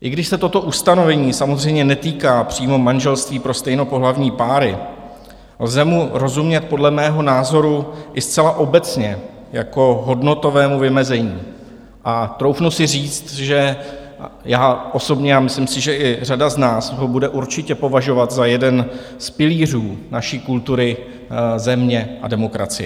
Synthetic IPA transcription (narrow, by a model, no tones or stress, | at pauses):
ʔɪɡdɪʃsɛt̪o̞t̪o̞ʔust̪ano̞vɛɲiːsamozr̝ɛjmɲɛnɛt̪iːkaːpr̥iːmo̞manʒɛlst̪viːpɾo̞st̪ɛjno̞po̞ɦlavɲiːpaːɾɪ | lzɛmuɾo̞zumɲɛt̪̚podlɛmɛːɦo̞naːzo̞ɾuʔɪst̪t͡sɛlaʔo̞bɛt͡sɲɛ | jako̞ɦo̞dno̞t̪o̞vɛːmuvɪmɛzɛɲiː | ʔat̪ɾo̞wfnusɪriːt͡st̪ʒɛ | jaːʔo̞so̞bɲɛamɪslɪmsɪʒɛʔɪr̝adaznaːsɦobudɛʔuɾt͡ʃɪcɛpo̞vaʒo̞vat̪zajɛdɛn | spɪliːr̝uːnaʃiːkult̪uɾɪ | zɛmɲɛʔa̰dɛmo̞kɾa̰t͡sɪjɛ